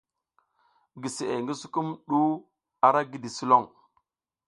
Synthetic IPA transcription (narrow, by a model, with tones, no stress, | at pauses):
ɡi˨se˨ḛ˨ŋɡi˦su˦ku˦mɗu˦ | a˨ɾa˦ɡi˦di˨su˦lo˦˨ŋ